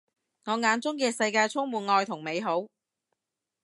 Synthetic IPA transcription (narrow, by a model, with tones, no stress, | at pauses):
ŋɔː˨˧ŋaː˨˧nt͡sʊ˥ŋkɛː˧sɐ˧jkaː˧jt͡sʰʊ˥ŋmuː˨˧nŋɔː˧jt̪ʰʊ˨˩ŋme˨˧jɦo˨˥w